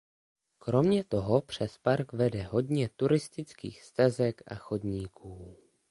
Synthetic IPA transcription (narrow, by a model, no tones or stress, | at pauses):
kɾo̞mɲɛt̪o̞ɦo̞pr̝̥ɛspaɾkvɛdɛɦo̞dɲɛt̪uɾɪst̪ɪt͡skḭːxst̪azɛkʔa̰xo̞dɲiːkʰuː